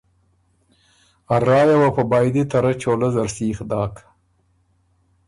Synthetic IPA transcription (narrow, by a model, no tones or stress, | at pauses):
arɑːjawapəbɑːjd̪it̪aɾat͡ʃolazaɾsiːxd̪ɑːk